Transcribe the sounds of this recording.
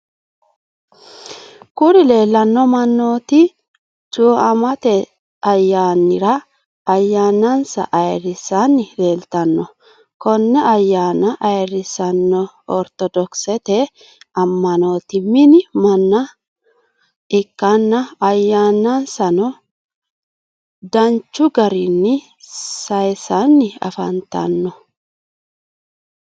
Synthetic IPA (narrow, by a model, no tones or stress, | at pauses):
kʊɾɪle̞ːlːɐnːɔmɐnːo̞ːt̪ɪ | t͡ʃʼuːʔɐmɐt̪ɛ | ɐjːaːnːɪɾɐ | ɐjːaːnːɐnsɐ̰ʔɐjrɪsanːɪle̞ːlt̪ɐnːɔ | kɔnːɛɐjːaːnɐʔɐjrɪsɐnːɔ | ɔ̰ɾt̪ɔd̪ɔksɛt̪e | ɐmːɐno̞ːt̪ɪmɪnɪmɐnːɐ | ɪkːanːɐɐjːaːnɐnsɐnɔ | d̪ɐnt͡ʃːʊɡɐɾɪnːɪ | sɐjsanːɪɐ̰fɐ̰nt̪ɐ̰nːɔ